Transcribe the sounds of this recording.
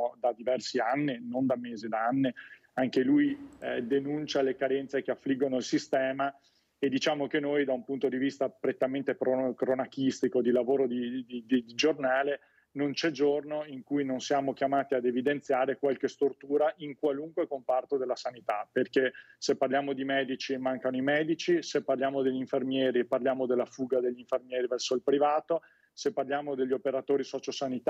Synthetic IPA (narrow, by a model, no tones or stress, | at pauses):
d̪ad̪ivɛrsianːinond̪ameːzid̪aanːi | aŋkelujd̪enunt͡ʃalekaɾɛnt̪sek̟eafːliɡːonoilsist̪ɛːma | ed̪ːit͡ʃaːmokenːojd̪aumpunt̪od̪ivist̪apɾet̪ːament̪ekokɾonakist̪ikod̪ilavoːɾod̪id̪id̪id̪id͡ʒornaːle | nont͡ʃɛd͡ʒornoiŋkujnonsjaːmok̟jamaːt̪iad̪evid̪ent̪sjaːɾekwalkest̪ort̪uːɾaʔiŋkwaluŋkwekompart̪od̪elːasanit̪aperkesepːarljaːmod̪imɛːd̪it͡ʃimaŋkanoimɛːd̪it͡ʃisepːarljaːmod̪eʎːiɱfermjɛːɾiepːarljaːmod̪elːafuːɡad̪eʎːiɱfermjɛːɾivɛrsoilpɾivaːt̪o | sepːarljaːmod̪eʎːopeɾat̪oːɾisɔːt͡ʃosanit̪